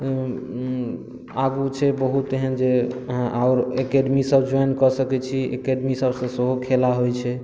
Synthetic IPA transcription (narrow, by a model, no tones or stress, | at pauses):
aɡut͡ʃʰɛbəɦut̪eɦənd͡ʒeɦãʔaʊɾekeɖmisəbd͡ʒɔjnkɔsəkɛt͡ʃʰiḛkeɖmisəbsə̃səɦokʰelaɦojt͡ʃʰɛ